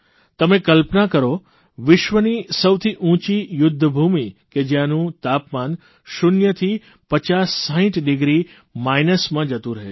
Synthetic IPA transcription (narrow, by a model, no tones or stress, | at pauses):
t̪əmẽkəlpnakəɾo | ʋɪʃʋənisəwt̪ʰiʔũt͡ʃijʊd̪ʱːəbʱumiked͡ʒjãnũt̪apman | ʃʊnjət̪ʰi | pət͡ʃasːəɦĩʈɖɪɡɾi | majnəsmãd͡ʒət̪ũɾəɦe